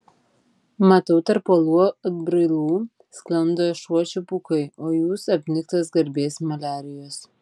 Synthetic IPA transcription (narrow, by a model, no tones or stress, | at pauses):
mɐt̪ɐʊt̪ɐɾpoːlˠuɔbʲɾɐɪlˠuː | sklʲˠɐnd̪oːʃuɔt͡ʃʲupuːkɐɪoːjuːsɐpʲnʲɪkt̪ɐsɡɐɾʲbʲeːsmɐlʲæːɾʲɪjoːs